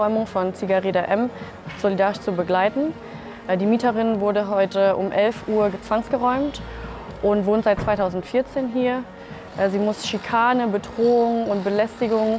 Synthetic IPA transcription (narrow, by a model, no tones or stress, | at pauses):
ɔʏmʊŋfɔnt͡siɡaʁeːdaʔɛm | z̥olidaːʁɪʃt͡subəɡlaɪtn̩ | diːmiːtəʁɪnvʊɐdəɦɔʏtəʔʊmʔɛlfʔuːɐt͡sv̥aŋsɡ̥əʁɔʏmtʔʊntv̥oːntz̥aɪt̚t͡sv̥aɪtʰaʊzn̩tfɪːɐt͡seːnɦiːɐ | ʔziːmʊsʃikʰaːnəbədʁoːʊŋʊntb̥əlɛstɪɡʊŋ